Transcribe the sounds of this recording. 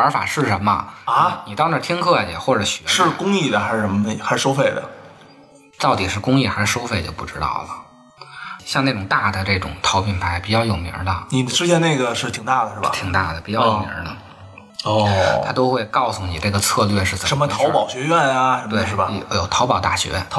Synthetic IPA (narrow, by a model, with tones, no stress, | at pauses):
ə˞˧˥fa̰˨˩ʂɻ̩˥˩ʂə˧˥mə̰˧a˥˧ni˨˩t̪ɑ˥ŋt̪ə˞˥˩t̪ʰjɛ˥ŋkʰɤ˥˩˧jɛ˨˩xwɔ˥˩ʈ͡ʂɤ˨˩ɕɥɛ˧˥ʂɻ̩˥˧kʊ˥ŋi˥˩d̪ə˩xa˧˥ɪʂɻ̩˥˩˧m˧˩xa˧˥ʂɻ̩˥˧ʂo˥ʊfe˥˩ɪd̪ə̰˩ | t̪ɑ˥˩ʊt̪i˨˩ʂɻ̩˥˩kʊ˥ŋi˥˩xa˧˥ɪʂ̩˥˧ʂo˥ʊfe˥˧ɪt͡ɕjo˥˧ʊpu˥˩ʈ͡ʂɻ̩˥t̪ɑ̰˥˩ʊlə˩ | ɕjɑ˥˧ŋne˥˩ʈ͡ʂʊ˨˩ŋt̪a˥˩d̪ə˩ʈ͡ʂɤ˥˩ʈ͡ʂʊ̰˨˩ŋt̪ʰɑ˧˥ʊpʰi˨˩npʰa˧˥ɪpi˨˩t͡ɕjɑ˥˩ʊjo˨˩ʊmḭ˧˥d̪ə˧ni˨˩ʈ͡ʂɻ̩˥t͡ɕʰjɛ˧˥ne˥˩ɡə˩ʂɻ̩˥˩t̪ʰi˨˩ŋt̪a˥˩d̪ə˩ʂɻ̩˥˩bɐ̰˧t̪ʰi˨˩ŋt̪a˥˩d̪ə˩pi˨˩t͡ɕjɑ˥˧jmḭ˧˥nə˧ | ɔ˥˩t̪ʰa˥t̪o˥ʊxwe˥˧ɪkɑ˥˩ʊsu˥˩ni˨˩ʈ͡ʂɤ˥˩ɡə˩t͡sʰɤ˥˧lɥɛ˥˧ʂɻ̩˥˩t͡sə˨˩ʂə˧˥mə˧˥t̪ʰɑ˧˥ʊ˥pɑ˨˩ʊɕɥɛ˧˥ɥɛ˥˩na˩ʂə˧˥t̪we˥˩ɪ˧ɻ̩˥˩bɐ˨˩˥jo˨˩ʊt̪ʰɑ˧˥ʊpɑ˨˩ʊt̪a̰˥˩ɕɥɛ̰˧˥